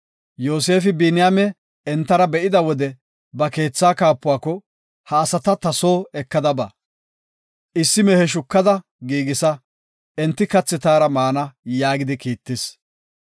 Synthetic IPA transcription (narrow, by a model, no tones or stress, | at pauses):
jo̞ːse̞ːfɪbiːnɪjamɛ | ɛnt̪ːɐɾɐbɛʔɪd̪ɐwɔd̪ɛ | bɐke̞ːt͡sːaːkaːpːʊwaːkːɔ | hɐːsɐt̪ɐt̪ɐso̞ːɛkːɐd̪ɐba̰ | ʔɪsːɪmɛhɛʃ̬ʊkːɐd̪ɐ | ɡiːɡɪsɐ | ɛnt̪ːɪkɐt͡sːɪt̪aːɾɐmaːnɐjaːɡɪd̪ɪkiːt̪ːɪs